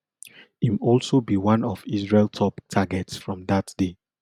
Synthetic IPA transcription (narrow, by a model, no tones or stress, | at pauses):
imɔlsobiwãnɔvisɹeltʰɔptʰaɡɛtsfɹɔ̃mðatd̥e